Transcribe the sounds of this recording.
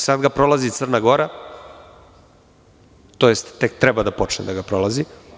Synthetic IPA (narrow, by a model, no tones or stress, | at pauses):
sad̪ɡapɾo̞lˠazit̪sər̩naɡo̞ɾa | t̪o̞jest̪ːek̚t̪ɾɛbad̪apo̞t͡ʂnḛd̪aɡapɾolˠazi